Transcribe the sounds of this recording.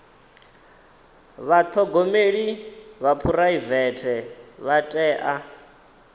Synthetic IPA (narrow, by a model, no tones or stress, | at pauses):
βat̪ʰɔɡɔmeɺiβapʰuɾaivɛtʰɛβatʼɛːʔa